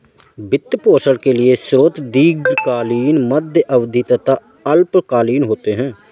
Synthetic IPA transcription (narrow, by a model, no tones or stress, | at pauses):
bɪt̪ːpoːsəɽkelɪesɾoːt̪d̪iːɡkaːliːnməd̪ʱjəʔəʋd̪ʱit̪ət̪a | əlpkaːliːnɦoːt̪eɦɛ̃ː